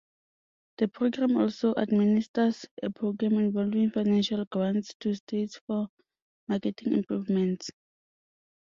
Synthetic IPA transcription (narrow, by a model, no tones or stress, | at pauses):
d̥əpʰɹoɡɹãmɔlsoʔa̰dministəsepʰɹoɡɹãmĩnvɔlvĩŋfajnãnʃalɡɹãntstʰustʰetsfɔ | makɛtʰĩŋḭ̃mpɹuvmɛ̃nts